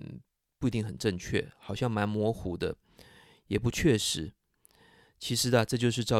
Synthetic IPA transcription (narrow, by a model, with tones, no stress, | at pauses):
pu˥˩i˧t̪i˥˩ŋxə˨˩nʈ͡ʂə˥˧ŋt͡ɕʰɥɛ̰˥˩xɑ˨˩ʊɕjɑ˥˩ŋma˧˥nmwɔ˧˥xu˧˥d̪ə̰˧ | jɛ˨˩pu˧˥t͡ɕʰɥɛ˥˩ʂɻ̩˧˥ | t͡ɕʰi˧˥ʂɻ̩˧˥d̪ə˧ʈ͡ʂɤ˥˧t͡ɕjo˥˧ʊʂ̬ɻ̩˥˧ʈ͡ʂɑ˥˩